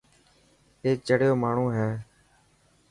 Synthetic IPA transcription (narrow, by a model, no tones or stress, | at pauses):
eːt͡ʃəɽɪjoːmaːɳ̤ũːɦɛː